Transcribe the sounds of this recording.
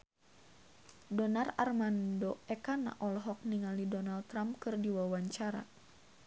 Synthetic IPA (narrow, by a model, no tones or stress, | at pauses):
dɔnararmandoɛkana̰ʔɔlɦɔk̚niŋalidɔnalt̪ːɾamp̚kɨrdiwawaɲt͡ʃaɾa̰